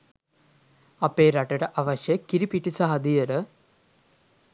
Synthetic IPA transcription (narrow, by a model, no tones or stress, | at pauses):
ɐpeːɾɐʈɐɽɐʔɐʋɐɕjɐkiɾipiʈisaɦɐd̪ijɐɾə